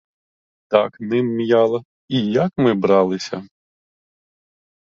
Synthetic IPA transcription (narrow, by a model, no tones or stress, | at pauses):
t̪ɑknɪmːjɑlˠɐ | ijɐkmɪbɾɑlˠɪsʲɐ̰